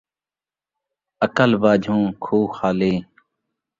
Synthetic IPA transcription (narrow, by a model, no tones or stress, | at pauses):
əkəlbaːd͡ʒʱũːkʰuːxaːleː